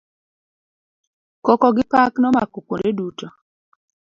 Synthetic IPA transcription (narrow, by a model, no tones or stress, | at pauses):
kɔkɔɡɪpaknɔmakokodeduto